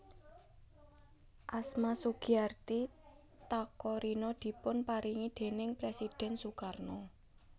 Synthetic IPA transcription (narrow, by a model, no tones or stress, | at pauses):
ʔasmasuɡ̥iart̪i | t̪akɔɾinɔd̪̥i̤pʊnpaɾiŋid̪̥e̤nɪŋpɾesid̪̥ɛ̤nsukarnɔ